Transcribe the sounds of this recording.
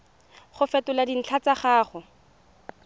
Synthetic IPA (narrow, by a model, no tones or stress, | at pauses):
χʊfɛtʊladin̩t͡ɬʰat͡saχaːχʊ